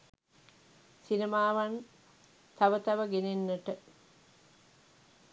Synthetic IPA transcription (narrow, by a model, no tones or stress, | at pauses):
sinemaːʋan | t̪ɐʋət̪ɐʋəɡenenːəʈə